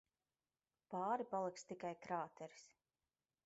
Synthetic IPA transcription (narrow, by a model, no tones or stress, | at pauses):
pɑːɾipalˠikst̪ikajkɾaːt̪ʰɛɾi̥s